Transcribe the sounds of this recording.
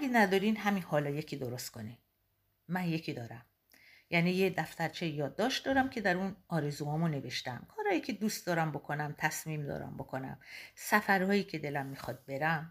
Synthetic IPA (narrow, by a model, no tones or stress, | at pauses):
æɡʲenæd̪ɒːɾinɦæminhɒːlɒːje̞cʰiːd̪oɾost̪̚kʰo̞ni | mænje̞cʰid̪ɒːɾæm | jæniːjed̪æft̪æɾt͡ʃʰejjɒːd̪ːɒːʃt̪̚d̪ɒːɾæmcʲʰe̞d̪æɾunɒːɾezuːhɒːmunːe̞ve̞ʃt̪æmkʰɒːɾhɒːjiːcʰe̞d̪uːst̪̚d̪ɒːɾæmbo̞kʰo̞næmt̪ʰæsmiːmd̪ɒ̰ːɾæ̰mbo̞kʰo̞næ̰msæfæɾhɒːjiːcʰe̞d̪e̞læmːiːxɒːd̪̚be̞ɾæm